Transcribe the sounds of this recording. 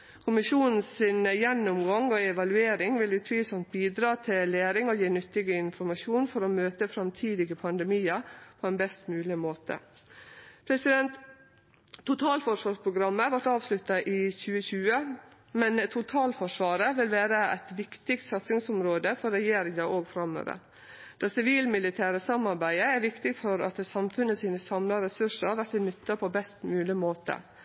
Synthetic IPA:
kʰʊmɪʂuːnn̩sɪnjɛnːʊmɡɑŋɔɛʋɑlʉeːɾɪŋʋɪlʉːt̪ʰʋiːsɔnt̪̚biːd̪ɾɑːt̪ʰɪleːɾɪŋɔjiːnʏt̪ːɪɡəɪnfɔɾmɑʂuːnfɔɾɔmøːt̪əfɾɑmt̪ʰiːd̪ɪɡəpʰɑnd̪ɛmiːəpʰɔɛnbɛst̪mʉːlɪmoːt̪ʰə̰ | pʰɾɛsɪd̪ɛnt̪ʰː | ʊt̪ʰɑːlfɔʂʋɑːɾpʰɾʊɡɾɑmːəʋɑʈɑːʋslʉt̪ːɑʔɪçʉːəçʉːə | mɛnt̪ʰʊt̪ʰɑːlfɔʂʋɑːɾəʋɪlʋæːɾəʔæ̰t̪ʋɪkt̪ɪk̚t̪sɑt̪sɪŋsʊmɾoːd̪əfɔɾɛjeːɾɪŋɑʔoːɡfɾɑmø̰ːʋə̰ɾ | d̪̥ɑːsɪʋiːlmɪlɪt̪ʰæːɾəsɑmɑɾbæɪəæɾʋɪkt̪ɪfɔɾɑt̪sɑmfʉnːəsiːnəsɑmlɑɾɛsʉʂəɾɑʋæʈ̪ɪnʏt̪ːɑpʰɔbɛst̪mʉːlɪmoːt̪ə̰

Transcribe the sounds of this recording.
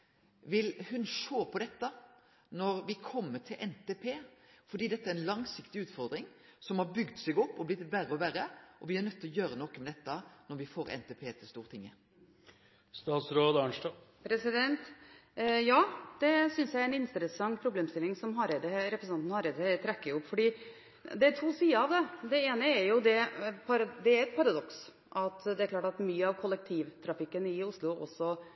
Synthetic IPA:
ʋɪlhʉnʃoːpʰɔd̪ɛt̪ːə | nɔɾʋɪkʰɔmːəʈʰɪlʔɛnt̪eːpʰeːfɔɾɖiːd̪ɛt̪ːəæɾɛnlɑŋsɪkt̪ɪʉːt̪fɔɾd̪ɾɪŋsɔmhɑɾbʏɡd̪sɛɡɔpːɔblɪt̪bæɾəɔʋæɾəʔɔʋɪæɾnœt̪ːɪlɔjøːɾənɔkːəmɛd̪ɛt̪ːənɔɾʋɪfoːɾɛ̰nt̪eːpʰeːt̪ʰɪlst̪uːɾt̪ʰɪŋːə | st̪ɑːt̪sɾoːd̪ɑɳʂʈɑ | pʰɾɛsɪd̪ɛnt̪ | jɑːd̪̥ɛsʏnsjæɪɾɛnɪnsəɾəsɑŋpʰɾʊbleːmst̪ɪlːɪŋsɔmɦɑɾeːd̪əɾɛpɾəsnɑnt̪n̩hɑɾeːd̪əɛt̪ʰɾɛkːəɾɪʊpːfɔɖiː | d̪ɛt̪ʰuːsiːəɑʋd̪ɛd̪ɛeːnəɛɾjʊd̪ɛpʰɑɾd̪ɛæɾɛt̪̚pʰɑɾɑd̪ɔks | ʔɑt̪d̪ɛæɾkʰlɑːʈɑt̪myːəɑʋkʰɔlːɛk̚t̪ʰiːʋt̪ʰɾɑfɪkːənɪʊslʊʔɔ̰sːɔ

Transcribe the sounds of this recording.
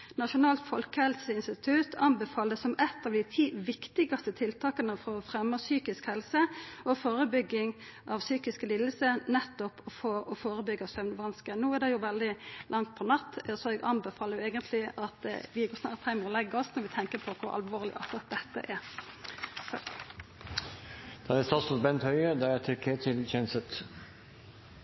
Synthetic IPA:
nɑʂʊnɑːlt̪fɔlkəhɛlsəɪnst̪ɪt̪ʰʉt̪ʰɑnbɛfɑːld̪əsɔmɛt̪ːɑʋd̪ɪt̪ʰiːʋɪkt̪ɪɡɑst̪ət̪ʰɪlt̪ʰɑːkənəfɔɔfɾɛmːəsyːkɪskhɛlsəʔɔfoːɾəbʏɡːɪŋ | ʔɑʋsyːkɪskəliːd̪l̩sənɛt̪ːɔpɔfoːʔɔfoːɾəbʏɡəɑsœʋnʋɑnskənuːæd̪ɛjʊʋɛld̪ɪlʔɑŋt̪̚pʰɔnɑt̪ːɛsɔɛɡʔɑmbɛfɑːləɾjʊɛːɡənt̪ʰlɪʔɑt̪ʋɪɡoːsnɑːɾt̪hæɪmɛɔlɛɡːəɔsnɔɾʋɪt̪ʰɛŋkəpʰɔkʰʊɾɑ̰lʋoːʁlɪ̰ʔɔsɑt̪̚d̪ɛt̪ːə̰ʔɛɾ | d̪̥ɑɛst̪ɑːsʊsbɛnt̪hœʏəd̪ææt̪ʰɪɾkʰeːt̪ʰɪlçʰeːnəsət̪

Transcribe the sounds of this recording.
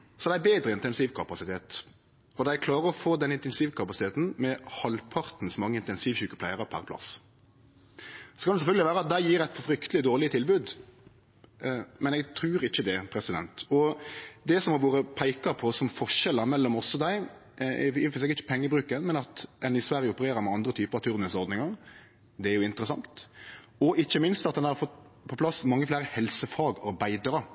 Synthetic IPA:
sɔd̪æɪæbeːd̪ɾəɪnt̪ɛnsiːʋkʰɑpɑsɪt̪ʰeːt̪ | ɔd̪æɪkʰlɑːɾəɾɔfoːd̪ɛnɪnt̪ɛnsiːʋkʰɑpɑsɪt̪eːt̪n̩mɛhɑlpʰɑɾt̪n̩sɔmɑŋːəɪnt̪ɛnsiːʋçʉkːəpʰlæ̰ɪʁəpʰæ̰ɾpʰlɑ̰s | sɔ̥kʰɑnɛsɛfœlɡəlɪʋæːɾəɑt̪̚d̪æɪjiːʁæɪt̪fɔfɾʏkt̪əlɪd̪oːʁlɪət̪ʰɪlbʉːd̪ | mɛnɛɡt̪ʰɾʉːɾɪçːəd̪ɛpʰɾɛsɪd̪ɛ̰nt̪ɔd̪ɛsɔmhɑɾʋoːɾəpʰæɪkɑpʰɔsɔmfɔɾʂɛlːəɾmɛlːɔmɔsːɔd̪æɪ | ɛ̰fseɛːkɪçːə̥pʰɛŋːəbɾʉːkənmɛnɑt̪ɛnɪsʋæɾjəʊpəɾeːɾəɾmɛɑnd̪ɾət̪ʰyːpəɾɑt̪ʰʉɾnəsɔɾd̪nɪŋɑɾ | d̪ɛæɾjʊɪnt̪əɾəsɑŋt̪ | ɔɪçːəmɪnst̪ɑt̪d̪ɛnhɑɾfɔt̪ | pʰɔpʰlɑsmɑŋːəflæːɾəhɛlsəfɑːɡɑɾbæɪd̪ɑɾə

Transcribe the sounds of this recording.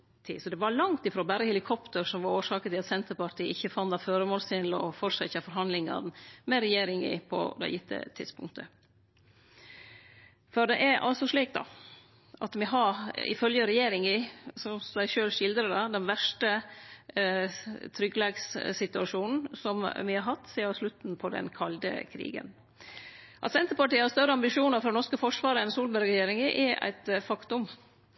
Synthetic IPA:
t̪ʰḭːsɔd̪ɛʋɑɾlɑŋt̪ɪfɾoːbæɾəhɛlɪkʰɔpt̪əɾsɔmʋɑɾoːʂɑːkət̪ɪlɑt̪sɛnt̪əpɑɾʈ̪ʰiːʔɪçːəfɑnd̪ɑføːɾəmoːlsɪnlɔ̰fɔʂɛçəfɔɾɦɑnd̪lɪŋɑ̰n̩mɛɾɛjeːɾɪŋɪ̰pʰɔ̰d̪æ̰ɪɪt̪ʰːə̰t̪ʰɪd̪spʊ̰ŋk̚t̪ʰə | fɔɾd̪ɛʔæɾɑ̰lsɔʂɭiːk̚d̪ɑ̰ | ʔɑ̰t̪ʋɪɦɑɾɪ̰fœljəɾɛjeːɾɪŋɪsɔmsd̪æɪʃøːlʂɪld̪ɾəd̪ɑd̪ɛnʋæʂʈə | t̪ʰɾʏɡlɛːɡssɪt̪ʉɑʂuːnn̩sɔmʋɪhɑɾɦɑt̪ːseːɑʂlʉt̪npʰɔd̪ɛ̰nkʰɑld̪ə̰kʰɾḭːɡə̰n | ʔɑ̰t̪sɛnt̪əpɑʈiːəhɑst̪œɾəɑmbɪʂuːnəɾfɔɾnɔɾʂkəfɔʂʋɑːɾəɛnsuːlbæɾɾɛjeːɾɪŋɪʔɛʔæ̰ɪt̪fɑkt̪ʊm

